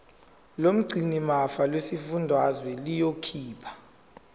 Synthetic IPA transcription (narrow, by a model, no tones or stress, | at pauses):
lom̩ɡ͡ǀʱinimafalwesifundʱwazwɛlijokʰiːpʰḁ